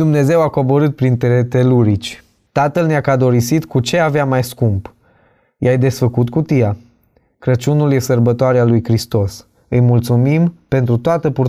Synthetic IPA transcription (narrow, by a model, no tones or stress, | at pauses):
d̪umne̞ze̞wako̞bo̞ɾɨt̪̚pɾint̪eɾet̪eluɾit͡ʃʲ | t̪at̪əlneakad̪o̞ɾisit̪kut͡ʃe̞aveamajskump | jajd̪e̞sfəkut̪kut̪ija | kɾət͡ʃunulje̞sərbət̪oaɾealujkɾist̪o̞s | ɨjmult̪sumimpe̞nt̪ɾut̪oat̪əpu